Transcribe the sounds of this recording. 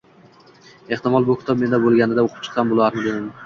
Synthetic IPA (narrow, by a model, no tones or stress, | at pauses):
e̞ht̪ɪmɒlˠbʊkʲʰɪ̥t̪ʰɒb̚me̞nd̪abolˠɡʲanɪd̪aoqʰʊ̥p̚t͡ʃʰɨ̥qːɑnbolˠaɾmɪd̪ed̪ɪmɪ